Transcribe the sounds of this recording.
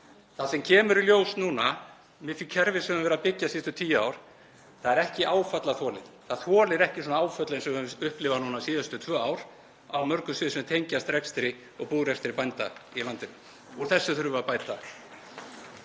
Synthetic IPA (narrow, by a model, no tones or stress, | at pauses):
θasɛmcʰɛːmʏɾɪljoːwsnuːna | mɪficʰɛɾvɪsɛvʏmvɛːɾapɪcːasist̪ʏt̪ʰiːjʏaːwɾ̥ | θaðɛɾɛhcɪʔaːwfat̪laθɔːlɪðθaðθɔːlɪɾɛhcɪsɔːnaaːwfœt̪laɛnsɛʏhplɪvanuːnasiːðast̪ʏt̪ʰv̥œːaːwɾ̥ | a̰wmœɾkʏsvɪːðsɛmt̪ʰejɲcast̪ɾɛkst̪ɾɪ | ɔɣpuːɾɛst̪ɪɾɪpajnt̪ailant̪ɪnʏ | uɾθɛsːʏθʏɾvʏapaːjt̪a